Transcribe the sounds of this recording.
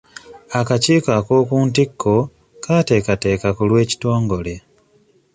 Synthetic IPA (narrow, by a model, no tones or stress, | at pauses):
akaciːkako̞ːkuːntikːo̞ | kaːte̞ːkate̞ːkakulwe̞ːci̥to̞ːŋɡo̞le̞